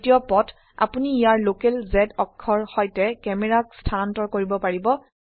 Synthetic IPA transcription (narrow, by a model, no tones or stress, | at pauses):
tiɔpɔt | a̰puniːjaɹlokɛlzɛdɔkʰːɔɹxɔjtɛkɛmɛɹakstʰanantɔɹkoɹibɔpaɹibɔ